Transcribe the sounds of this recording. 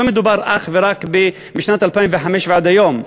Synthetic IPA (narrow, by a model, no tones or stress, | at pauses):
amɪd̪ʊbɑɾˤʔa̰xvɪɾˤɑːkbi | mɪʃnaːt̪alpanvaħamiːʃbaʕd̪ajoːm